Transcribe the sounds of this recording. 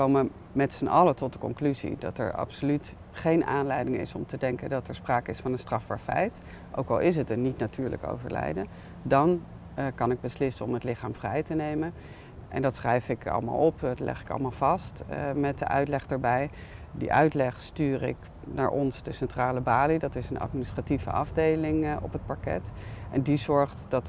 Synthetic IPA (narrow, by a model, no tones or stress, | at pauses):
kowmə | mɛtsənʔɑlətɔt̚dəkɔ̰ŋklyzḭdɑ̰tɛ̰ɹɑ̰psolyt | χejnʔaːnlɛjdɪŋɪ̰sɔmtədɛŋkəndɑtɛɹspraːkəɪsfɑnənstrɑvba̰ːɹfɛ̰jt | ʔo̰wkɑlˠɪs̬ɦətəɹnitnatyːɹlə̰ko̰wvə̰ɹlɛ̰jdə | dɑn | kɑnɪɡ̚bəslɪsəɔmətlɪχaːmvrɛjtənejmən | ʔɛ̰ndɑtsrɛjfɪkɑ̰lˠəma̰ːlˠɔpɑtlɛ̰χɪ̥kɑ̰lˠmaːlˠv̥ɑstmɛt̚də̰ʔœ̰ɥtlɛχdaɹbɛj | dḭʔœɥtlɛχstyːrɪ̰k | na̰ːɹʔɔnzdəsɛntraːləbaːlidɑtɪsənʔɑ̰tminɪstrativə̰ʔɑ̰vdejlɪŋɔ̰pɦət̚pɑɹkɛ̰tʔɛndizɔɹχtd̥ɑt